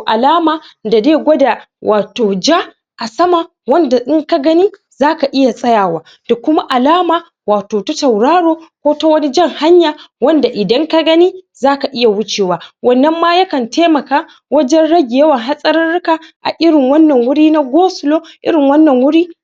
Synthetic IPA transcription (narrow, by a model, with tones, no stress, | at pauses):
ʔa˨laː˦maː˨da˨deː˦˨ɡʷɔ˦da˨wʔaː˨toː˨d͡ʒa˦ | ʔa˨sɐ˦ma˨ | wɐ˦nda˨ʔɪ˦ŋka˦ɡɐ˦niː˦ | zaː˦ka˨ʔɪ˦ja˨sʼɐ˦jaː˨waː˦ | d̥a˨kʷʊ˦ma˦ʔa˨laː˦maː˨ | waː˨toː˨tɐ˦tɐ˨wɽaː˦ɽoː˦kʷoː˦to˦wɐ˦ni˦d͡ʒɐ˦ŋha˦ɲjaː˨wɐ˦nda˨ʔɪ˨dɐ˦ŋka˦ɡɐ˦niː˦zaː˦ka˨ʔɪ˦ja˨wʊ˦t͡ʃeː˨waː˦wɐ˦nːɐ˦mːa˦ja˦kɐ˨ntʰeː˦mɐ˨kaː˦ | wɐ˦d͡ʒɛ˦nɽɐ˦ɡʲɪ˨jɐ˦wɐ˨ŋɦa˦sʼɐ˦ɾɐ˦nɽɪ˦kaː˨ʔa̰˨ʔɪ˦ɾɪ˨ŋwɐ˦nːɐ˨ŋwʊ˦ɽiː˦na˦ɡʷoː˦sʊ˨loː˦ʔɪ̰˦ɾɪ˨ŋwɐ˦nːɐ˨ŋwʊ˦ɽiː˦